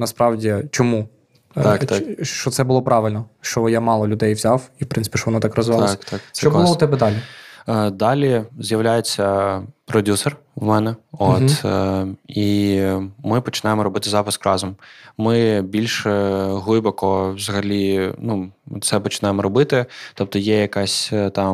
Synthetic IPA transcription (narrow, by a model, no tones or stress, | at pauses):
nɐspɾɑwdʲit͡ʃɔmu | kt̪ɑt͡ʃɔt̪sɛbʊlˠɔpɾɑʋɪlʲnɔʃt͡ʃɔjamɑlˠɔlʲʊd̪ɛjʋzʲɑwiwpɾɪnɪ̥pʲiʃt͡ʃɔʋɔnɔt̪ɑkrɔzʋɪlˠskt̪ɑksʲt͡ʃt͡ʃɔbʊlˠɔʊt̪ɛbɛd̪ɑlʲi | d̪ɑlʲizʲjɐʋlʲajet͡sʲːɐpɾɔdʲusɛr | ʋmɛnɛot̪ | i | mɪpɔt͡ʃɪnɑjmɔɾɔbɪt̪ɪzɑpɪskrɑzɔmmɪbʲilʲʃɦlˠɪjbɔkɔʋzɐɦɐlʲinut̪sɛpɔt͡ʃɪ̥nɑjemɔɾɔbɪt̪ɪt̪ɔp̚t̪ɔjɛjɐkɑsʲt̪ɑm